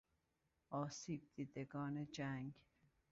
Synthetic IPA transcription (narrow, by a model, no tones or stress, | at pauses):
ɒːsiːb̚d̪iːd̪eɡɒːned͡ʒæŋɡ